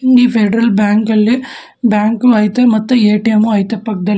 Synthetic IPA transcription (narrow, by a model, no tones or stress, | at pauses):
ŋifeɖɾɐlbaːŋkɐɭːi | bjaːŋkuɐjt̪ɐmɐt̪ːueːʈijɐmuɐjt̪ɐpːɐk̚d̪ɐl